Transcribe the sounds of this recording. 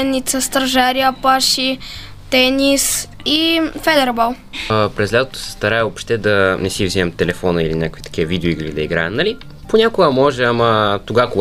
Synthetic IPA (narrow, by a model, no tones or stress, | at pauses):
ɛd̪nːit̪səst̪ɾɐʒaɾiəpaʃi | t̪ɛnis | ifɛd̪ɛɾbalˠ | pɾɛzlʲat̪ot̪o̥sɛ̥st̪ɐɾaɛopʃt̪ɛd̪ɐnɛsivzimɛmt̪ɛlɛfɔnəilinʲakəkvit̪ɐ̥kʲiəvid̪ɛoiɡlḭd̪ɐiɡɾaɛmnɐli | ponʲakʊɡəmɔʒɛamət̪oɡako